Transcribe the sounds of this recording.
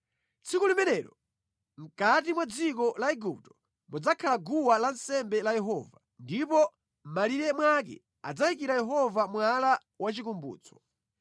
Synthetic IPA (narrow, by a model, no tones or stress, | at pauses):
t͡sʰikulimɛnɛɾɔ | m̩kat̬imwad͡zikɔlaɛɡup̚tɔ̥ | mud͡zakʰalaɡuwalansɛmbɛlajɛɦɔ̰va | ndipɔ | m̩maliɾɛmwak̬ɛ̰ | a̰d͡zajik̬iɾajɛɦɔvamwala | wat͡ʃikumbṵːt͡sʰɔ̥